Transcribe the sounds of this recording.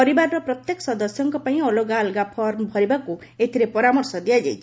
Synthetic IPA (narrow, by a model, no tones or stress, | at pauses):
ɔɾibaɾɔɾɔpɾɔt̪jekɔsɔd̪ɔsjɔŋkɔpaĩɔloɡalɡapʰɔɾmbʱɔɾibaku | et̪ʰiɾepɔɾamɔɾsɔd̪ijad͡ʒajt͡ʃʰi̥